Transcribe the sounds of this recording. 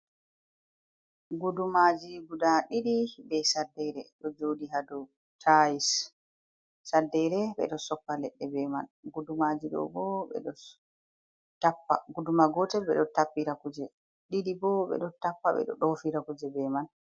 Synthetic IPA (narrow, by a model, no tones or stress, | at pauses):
ɡudumad͡ʒiɡudaɗiɗibɛsadːɛɾɛɗɔd͡ʒodiɦadɔ | tʰajis | adːɛɾɛɓɛ̰ɗɔsɔpːalɛɗːɛbɛmanɡudumad͡ʒiɗɔ̰bɔɓɛ̰ɗɔ | tapːa̰ɡudumaɡɔtɛɓɛ̰ɗɔtapːiɾakud͡ʒɛ | ɗiɗibɔɓɛ̰ɗɔtapːaɓɛ̰ɗɔ̰ɗofiɾakud͡ʒɛbɛman